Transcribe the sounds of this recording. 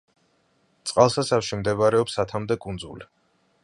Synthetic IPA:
t̪sʼqʼalˠsasafʃimd̪ɛβɾɛɔpsat̪ʰamd̪ɛkʼund̪zṵli

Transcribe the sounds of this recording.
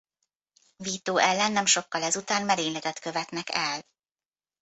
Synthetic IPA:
viːt̪oːʔɛlːɛnːɛmʃo̞kːɒlɛzut̪aːnmɛɾeːɲlɛɡ̪ɛt̪kø̞vɛt̪nɛkɛl

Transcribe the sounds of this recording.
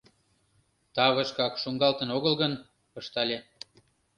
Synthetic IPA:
t̪ɑβəʃkɑkʃuŋɡɑlt̪ə̆noɣəlɣən | pɤʃt̪ɑlʲe

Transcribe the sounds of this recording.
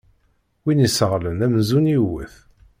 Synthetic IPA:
winisəʁlənæmzuniwə̰θ

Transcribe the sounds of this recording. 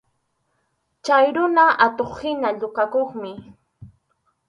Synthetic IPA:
t͡ʃajɾʊnaʔat̪oχhɪnaʎʊkakoχmɪ

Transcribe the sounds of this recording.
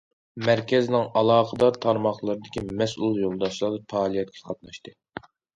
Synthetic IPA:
mæɾkʲɛznɪŋɑlˠɑːqʰəd̪ɑɾt̪ʰɑɾmɑχlˠɨɾɨd̪ɪkʲimɛsulˠjolˠd̪ɑʃlˠɑd̪ɨpʰɑːlˠijɛt̪̚kʲʰɛ̥qʰɑt̪nɑʃt̪ɨ

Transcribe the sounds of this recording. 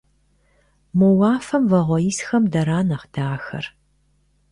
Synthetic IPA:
mowaːfɐmvɐʁʷɔiːsxɐmdɐɾaːnɐχdaːxɐ̰r

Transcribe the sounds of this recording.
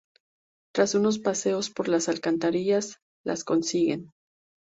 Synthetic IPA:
t̪ɾasuno̞s̬pase̞o̞spo̞ɾlasalkant̪aɾiʝas | lʔa̰sko̞nsiɣe̞n

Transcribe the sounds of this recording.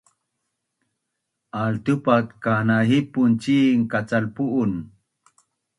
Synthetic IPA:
ʔalt̪upat̪kanaɦipunt͡ɕiŋkat͡salpuʔun

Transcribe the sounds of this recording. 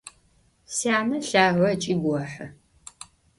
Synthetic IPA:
sjaːnɐɬaːʁʷɐt͡ʃʼiːɡʷɔħə

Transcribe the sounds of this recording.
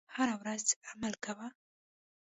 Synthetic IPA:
haɾawɾazamalkawə

